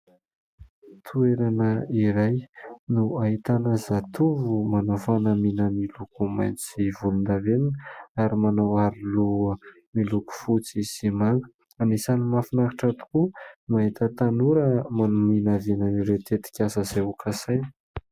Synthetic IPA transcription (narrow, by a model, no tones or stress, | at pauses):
t̪ʰueɾanəiɾajnuaɦit̪anazat̪uvumanafanəminəmilukuma̰jnt͡sivulund̪aveninaɾimanawaɾilu | miluku̥fut͡siz̥imaŋə̥ | anisanimafinakiʈ͡ʂat̪u̥kumaɦit̪ət̪anuɾəmanuminavenəniɾet̪et̪i̥kʲasəz̥eukʰasajni̥